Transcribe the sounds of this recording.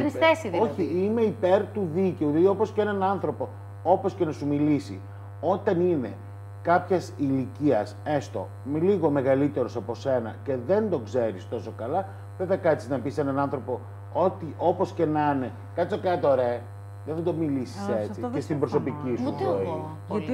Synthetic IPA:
nsesio̞çiime̞ipe̞ɾt̪uðice̞uɐðio̞po̞sceenɐnɐnθɾo̞po̞ | o̞poscenɐsumilisḭ | o̞t̪ɐnine̞ | kɐpçɐsiliciɐsest̪o̞̰ | mliɣo̞me̞ɣɐlit̪e̞ɾo̞sɐpo̞se̞nɐ̰ce̞ðe̞nd̪o̞kze̞ɾist̪o̞so̞kɐlɐ | veðɐkɐt̪iznɐpisenɐnɐnθɾo̞po̞ | ot̪iʔo̞po̞sce̞nɐne̞ | kɐt͡s̪okɐt̪oɾe | ðeθɐd̪o̞milisiset͡siest̪imbɾo̞so̞picist̪

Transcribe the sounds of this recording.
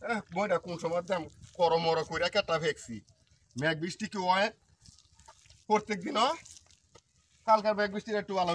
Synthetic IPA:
ɛmojɾakunʃɔmɔd̪ɛmkɔɾɔmɔɾɔkojɾakɛʈːapʰeksḭ | mɛk̚bisʈikiɔɛt̪̚ | poɾt̪ːek̚d̪inɔ | kalkaɾmɛɡ̚bisʈiɾɛk̚ʈubala

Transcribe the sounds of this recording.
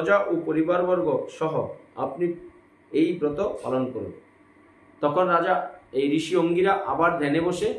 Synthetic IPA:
d͡ʑaʔopoɾibaɾbɔɾɡoʃɔɦo̰a̰pni | ejbɾɔt̪opa̰lonkoɾṵn | t̪ɔkʰonɾad͡ʑaejɾiʃioŋɡiɾaʔabaɾd̪ʱɛneboʃe

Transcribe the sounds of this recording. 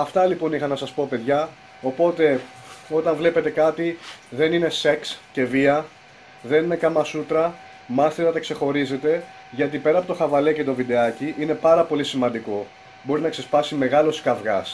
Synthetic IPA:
ɐft̪ɐlipo̞nixɐnɐsɐspo̞pe̞ðʝɐ | o̞po̞t̪e̞ | o̞t̪ɐɱvle̞pe̞t̪e̞kɐt̪iðe̞nine̞se̞ksce̞viɐ | ðe̞nine̞kɐmɐsut̪ɾɐ | mɐst̪iɾɐt̪ɐkse̞xo̞ɾize̞t̪e̞ | ʝɐt̪̬ipe̞ɾɐpo̞t̪o̞xɐvɐle̞oce̞t̪o̞vid̪e̞ɐciʔine̞pɐɾɐpo̞lisimɐnd̪iko̞ | bo̞ɾinɐkse̞spɐsime̞ɣɐlo̞skɐvɣɐs

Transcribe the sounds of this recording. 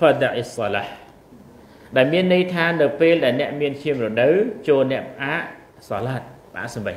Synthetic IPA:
fazaʔisːɑlah | ɗaɛlmiənːɨjt̪ʰaːnɨwpeːlɗaɛlnɛ̆əʔmiənt͡ɕʰiəmrɔɗɨwt͡ɕoːlnɛ̆əʔpəʔaːʔ | sɑlaːt̪̚pəʔa̰ːʔsɑmʋə

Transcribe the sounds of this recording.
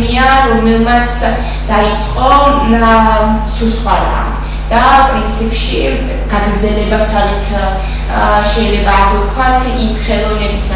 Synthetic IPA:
iaɾɔmɛlˠmat̪sʰ | d̪̥ait̪sʼqʼɔ | susχwaɾa̰ | d̪̥apʼɾint̪sʰipʰʃi | ɡ̥aɡɾd̪zɛlɛbasalit̪ʰ | ʃɛjlɛbaːʁut̪kʰwat̪ʰimχɛlˠɔnɛbis

